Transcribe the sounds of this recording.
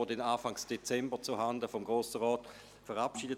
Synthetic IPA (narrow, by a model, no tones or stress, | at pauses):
odɛnaːfaŋsd̥et͡sɛmbət͡suɦandəfɔmɡʁoːsəʁɔːt | fəʁapʃiːdə